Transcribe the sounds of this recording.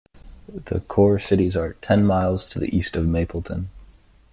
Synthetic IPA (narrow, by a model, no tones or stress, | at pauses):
ðɨ̰kʰɔɹsɪɾizə˞tʰɛ̃nmaɪlˠz̥tʰɨðḭʔistʌvmeɪpʰl̩ˠtʰə̰̃n